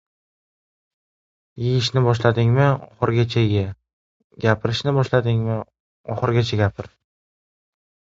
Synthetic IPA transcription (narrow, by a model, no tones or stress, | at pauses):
jɪjɪʃnɪbɒʃlad̪ɪŋmɪɒ̰χɨɾɡʲat͡ʃʰaɡʲa | ɡʲapʰɪɾɪʃnɪbɒʃlad̪ɪŋmɪ | ɒχɨɾɡʲat͡ʃʰaɡʲapʰɪɾ